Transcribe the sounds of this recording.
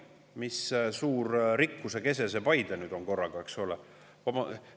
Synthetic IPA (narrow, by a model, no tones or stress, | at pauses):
missuːɾɾikːuseke̞se̞s̬epɑjd̪̥enyːd̪̥o̞ŋko̞rːɑɡ̥ɑeksole | ɑmɑ